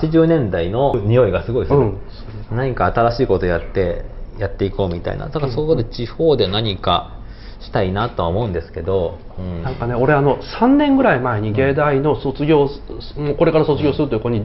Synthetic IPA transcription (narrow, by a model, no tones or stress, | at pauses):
t͡ɕiʑɨːnẽ̞nd̪aino̞ɲ̟ijo̞iɡasɨɡo̞isɯ̃ | naɲ̟ikaːt̪aɾaɕiːko̞t̪o̞jat̪ːe̞jat̪ːe̞iko̞ːmʲit̪a̰ḭna̰d̪akasokod̪et͡ɕiho̞ːd̪e̞naɲ̟ika̰ | ɕi̥t̪ainat̪o̞βaomo̞ɯ̃nd̪esɨ̥ke̞d̪o̞ | ɯ̃ɴnãŋkane̞o̞ɾe̞ano̞sãnːẽ̞ŋɡɯ̟ɾaimae̞ɲ̟iɡe̞ːd̪aino̞so̞t͡sɨɡʲo̞ːmoko̞ɾe̞kaɾaso̞t͡sɨɡʲo̞ːsɨɾɯ̟t̪ojiɯkoɲi